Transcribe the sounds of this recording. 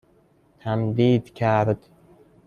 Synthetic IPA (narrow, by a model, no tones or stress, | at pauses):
t̪ʰæmd̪iːd̪cʰæɾd̪̥